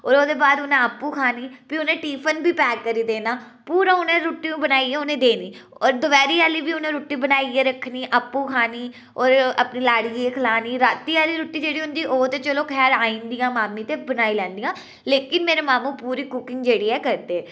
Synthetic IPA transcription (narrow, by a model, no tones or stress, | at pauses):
ɔːɾoːd̪eːbaːd̪ʊnẽːəpːuːkʰaːniːpiːʊnẽːʈiːpʰənbiːpɛːkːəɾiːd̪eːnaː | puːɾãːʊnẽːɾʊːʈːiːũːbənaːiɛːʊnẽːd̪eːniːɔːɾd̪ʊʋɛːɾiːaːliːbiːʊnẽːɾuːʈːiːbənaːiɛːɾəkʰːniːʔəpːũːkʰaːniː | ɔːɾəpniːlaːɽiːeːkʰəlaːniːɾaːt̪ːiːaːliːɾʊːʈːiːd͡ʒeːɽiːʊnd͡ʒ̪iːʔoːt̪eːt͡ʃəloːkʰɛːɾaːĩːnd̪ijãːmaːmːĩːt̪eːbənaːiːlɛ̃ːnd̪ijãː | leːkɪnmeːɾeːmaːmũːpuːɾiːkʊkɪŋɡd͡ʒeːɽiːɛːkəɾd̪eːɛː